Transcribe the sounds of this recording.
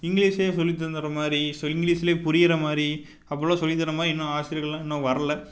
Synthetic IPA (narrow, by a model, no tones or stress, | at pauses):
ɪŋɡɭiːsleːsɔlːɪt̪̬ːɐɾnd̪ɪɾɐmaːd̪ɾisɪŋɡɭiːsɪleːpʊɾɪjɪɾɐmaːd̪ɾi | ɐp̬ːɐɭõːsɔlːɪt̪̬ːɐɾɐmaːd̪ɾiɪnːõːaːsɪɾɪɣɐɭãɪnːõʋɐɾɐlɐ